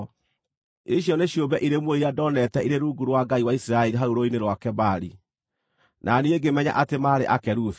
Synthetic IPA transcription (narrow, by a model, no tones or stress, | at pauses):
iʃjɔneɕjobɛʔiɾemwoiɾiadɔnɛtɛiɾeɾuːɡuɾwaɡaiwaisiɾaɛɾiɦauɾoineɾwakɛbaɾi | nʔanieɡemɛɲa̰ʔatemaːɾeʔakɛɾuθ